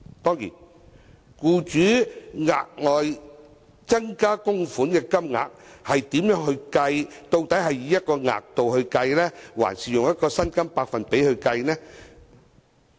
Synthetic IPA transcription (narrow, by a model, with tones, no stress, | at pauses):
t̪ɔː˥ŋjḭː˨˩n | kuː˧t͡ʃyː˨˥ŋa̰ː˨k̚ŋɔː˨j | t͡sɐ˥ŋkaː˥kʊ˥ŋfuː˨˥nkɛː˧kɐ˥mŋa̰ː˨k̚hɐ˨jt̪iː˨˥mjœː˨˥ŋhɵ˧ɥkɐ˧jt̪o˧wt̪ɐ˨˥jɦɐ˨jjiː˨˥jɐ˥t̚kɔː˧ŋa̰ː˨k̚t̪o˨whɵ˧ɥkɐ˧jlɛː˥wa̰ː˨˩nsiː˨jʊ˨ŋjɐ˥t̚kɔː˧sɐ˥nkɐ˥mpaː˧k̚fɐ˨npe˨˥jhɵ˧ɥkɐ˧jnɛː˥